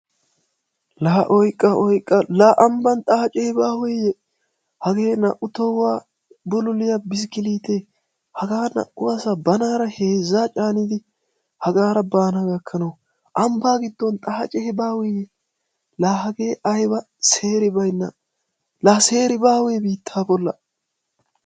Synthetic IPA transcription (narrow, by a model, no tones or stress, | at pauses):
laʔɔjkʼːɐʔɔjkʼːɐlaʔɐmbɐnt̪ʼɐhɐt͡ʃʼɛhɪbaːweːjɛ | hɐɡeːnɐ̰ʔʊt̪ɔwːaː | bʊlʊlɪjabɪs̬kɪliːt̪e | hɐɡaːnɐ̰ʔʊɐsabɐnaːɾɐheːzːaːt͡ʃʼaːnɪd̪ɪ | hɐɡaːɾɐbaːnaɡɐkʰːɐnɐw | ʔɐmbaːɡɪd̪ːɔnt̪ʼɐhɐt͡ʃʼɛhɛbaːwejɛ | laːhɐɡe̞ːɐjbɐ | seːɾɪbɐjnːɐ̰ | laːse̞ːɾɪbaːweːbiːt̪ʰːaːbɔlːɐ